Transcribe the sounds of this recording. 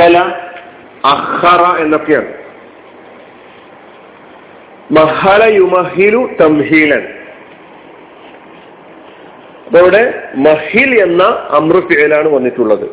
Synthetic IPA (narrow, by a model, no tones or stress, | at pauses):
ɐlɐ | ɐxːɐrɐe̞nːo̞kːeja̰ːɳɨ | mɐhɐɭɐjumɐɦilut̪ɐmhiːlɐn | ɐpoːɾuɽe̞mɐhile̞nːɐɐmrɨfiʕilaːɳɨʋɐnːiʈːuɭːɐðɨ̰